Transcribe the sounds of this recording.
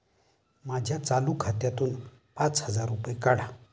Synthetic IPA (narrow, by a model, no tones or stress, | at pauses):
mad͡ʑʱjat͡salukʰat̪jat̪uːn | pãt͡shəd͡zaɾːupjekaɽ̤a